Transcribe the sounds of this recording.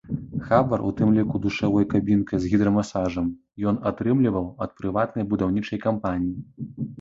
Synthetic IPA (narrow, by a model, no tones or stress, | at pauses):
xabɐɾṵt̪ɨmlʲikud̪uʂavɔjkabʲinkɐjzɣʲid̪ɾɐmasaʐɐm | jɔnat̪ɾɨmlʲivɐwɐt̪̚pɾɨvat̪nɐjbud̪awnʲit͡ʂɐjkampanʲiji